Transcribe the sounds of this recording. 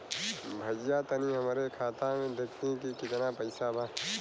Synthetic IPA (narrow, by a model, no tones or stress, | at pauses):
bʱɐd͡ʒjat̪ɐniɦɐmɾekʰaːt̪ãmẽd̪ekt̪ikikɪt̪napɐɪsabaː